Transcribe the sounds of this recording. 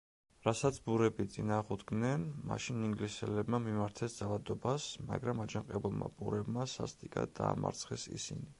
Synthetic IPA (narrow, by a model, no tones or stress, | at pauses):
ɾasat̪sʰbuɾɛbit̪sʼinaːʁud̪ɡnɛnma̰ʃiniŋɡlisɛlɛbmamimaɾt̪ʰɛsd̪zalad̪ɔbasma̰ɡɾamad͡ʒaŋqʼɛbulˠma̰bʼuɾɛbmasa̰st̪ʼikʼa̰d̪aːma̰ɾt̪sʰχɛsḭsḭni